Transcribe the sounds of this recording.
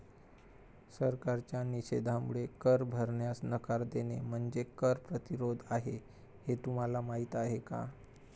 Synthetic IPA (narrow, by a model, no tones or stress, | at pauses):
səɾkaɾt͡ɕjaniɕed̪ʱamuɭekəɾbʱəɾɳjasnəkaɾd̪enem̤əɳd͡zekəɾpɾət̪iɾod̪ʱaɦe | het̪um̤alamaɦit̪aɦeka̰